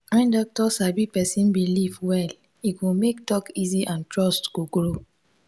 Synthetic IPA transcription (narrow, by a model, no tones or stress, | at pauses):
kɛ̃ndɔk̚tɔsabipɛsĩnbilivwɛl | ikũmektɔkiziʔãntɹɔstɡ̥oɡɹo